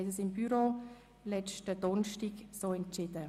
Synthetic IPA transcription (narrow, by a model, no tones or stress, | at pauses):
ɛtəsɪmbyɾo | lɛt͡ʃtədɔnʃtiɡsoːɛnt͡ʃɪdə